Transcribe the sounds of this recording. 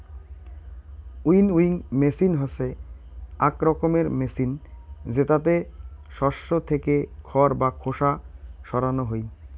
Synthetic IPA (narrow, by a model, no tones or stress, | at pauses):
ujnujŋmesinɦɔse | akɾɔkomeɾmesind͡ʑet̪at̪eʃɔʃːot̪ʰekekʰɔɾbakʰoʃaʃɔɾanoɦoj